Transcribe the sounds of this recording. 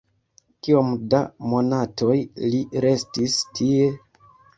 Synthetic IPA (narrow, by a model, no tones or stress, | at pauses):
kio̞mdamo̞nato̞jliɾe̞stistʰie̞